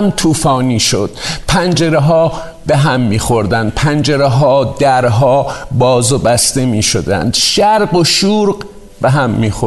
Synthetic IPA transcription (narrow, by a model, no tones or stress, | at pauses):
mt̪ʰuːfɒːniːʃo̰d̪̥̚pʰænd͡ʒeɾeɦɒː | beɦæmːiːxo̞ɾd̪ænd̪̚pʰænd͡ʒeɾeɦɒːd̪æɾɦɒːbɒːzobæst̪emiːʃod̪æ̰nd̪̥ʃæɾɢoʃuːɾɢ | beɦæmːiːxo